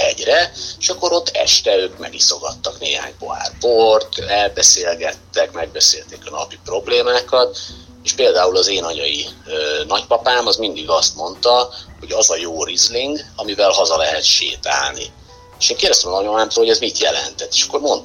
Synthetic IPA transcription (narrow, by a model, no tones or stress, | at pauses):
ɛ̰ɟrɛeʃɒkːo̞ɾo̞t̪ːɛ̰ʃt̪ɛøːkmɛ̰ɡiso̞ɡɒ̰t̪ːɒkneːha̰ːɲpo̞̰ɦa̰ːrport̪ɛlbɛseːlɡɛt̪ːɛkmɛɡ̚bɛseːlt̪eːkɒnɒ̰pipro̞bleːmaːkɒt̪ | eːʃpeːld̪aːulɒzeːnɒɲɒjiøːnɒcpɒpaːmɒzmind̪iɡɒst̪mo̞nt̪ɒho̞ɟɒzɒjoːrizliŋɡɒmivɛlɦɒzɒlɛɦɛt̪ʃḛːt̪a̰ːlnḭ | eʃeːŋkeːrd̪ɛst̪ɛmɒlɒɲomaːmt̪oːlhoɟɛzmit̪jɛlɛ̰nt̪ɛt̪ːeːʃɒ̥kːo̞rmo̞n